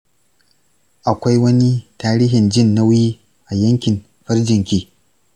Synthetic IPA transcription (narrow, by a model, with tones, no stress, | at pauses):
ʔa˨kʷa˦jwɐ˦ni˦taː˦ɾiː˦ɦɪ˨nd͡ʒɪ˦˨nːa˦wjiː˦ | ʔa˨jɐ˦ŋkʲɪ˨n | ɸɐ˦rd͡ʒɪ˨ŋkʲiː˦